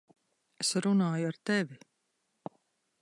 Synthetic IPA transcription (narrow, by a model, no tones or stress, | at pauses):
esɾunaːjuaɾt̪evʲi